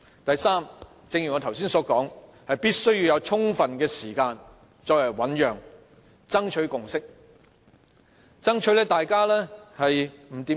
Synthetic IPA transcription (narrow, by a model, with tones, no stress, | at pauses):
t̪ɐ˨jsaː˥m | t͡sɪ˧ŋjy˨˩ŋɔː˨˧t̪ʰws̬iː˥nsɔː˨˥kɔː˨˥ŋ | hɐ˨jpiː˥t̚sɵ˥ɥjiː˨˧wjɐ˨˧wt͡ʃʰʊ˥ŋfɐ˨nkɛː˧siː˨˩kaː˧n | t͡sɔː˧klɐ˨˩wɐ˨˥njœː˨ŋ | t͡sɐ˥ŋt͡ʃʰɵ˨˥ɥkʊ˨ŋsɪ˥k̚ | t͡sɐ˥ŋt͡ʃʰɵ˨˥lɛː˥t̪aː˨jkaː˥lɛː˥hɐ˨jm̩˨˩t̪iː˨˥